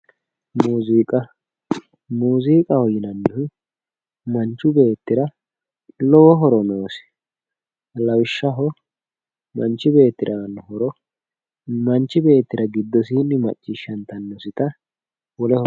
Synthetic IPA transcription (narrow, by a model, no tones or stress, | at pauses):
muːziːkʼɐ | muːziːkʼɐhɔjɪnɐnːɪhʊ | mɐnt͡ʃːʊbe̞ːt̪ːɪɾɐ | lɔwɔɦɔɾɔnoːsɪ̥ | lɐwɪʃːɐɦɔ | mɐnt͡ʃːɪbe̞ːt̪ːɪɾʔɐnːhɔɾɔ | mɐnt͡ʃːɪbe̞ːt̪ːɪɾɐɡɪd̪ːɔs̬iːnːɪmɐ̰t͡ʃʼːɪʃɐnt̪ɐnːɔsɪt̪ɐ | wɔlɛhɔ